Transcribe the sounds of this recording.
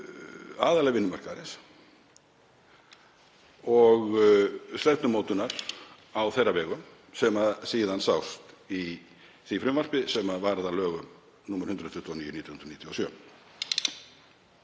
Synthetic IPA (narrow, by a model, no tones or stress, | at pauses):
aːðalɛɣvɪnːʏmarkaɾɪns | ɔɣslɛt̪nʏmoːwt̪ʏnaɾ̥ | awθejravɛːɣʏm | sɛmaðsiːðansawst̪i | θifɾʏmvar̥pɪsɛmaðvaɾðalœːɣʏm | numaɾ̥hʏnɾʏðt̪ʰʏht̪ːaniːjʏnit̪jɔhʏnɾniːt̪jɔsjœː